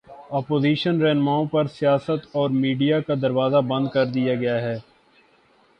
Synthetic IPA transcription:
aːpoːziːʃənɾɛɦnmaːõpɐɾsɪjaːsət̪ɔːɾmiːɖijakad̪ɐɾʋaːzabɐ̃nd̪̚kɐɾd̪ijaɡɐjaɦɛː

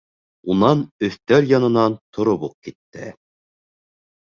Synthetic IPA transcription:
unɑnɵ̆θt̪æɾjɑnɤ̆nɑnt̪ʰŏɾoβuq̚kit̪ːɘ̰

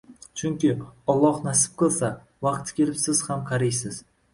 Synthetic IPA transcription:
t͡ʃʰʊŋkʲɪɒlˠːɒhnasɪ̥p̚qʰɨlˠsa | vɑqt̪kʲe̞lɪpsɪz̥hamqʰɑɾajsɪz̥

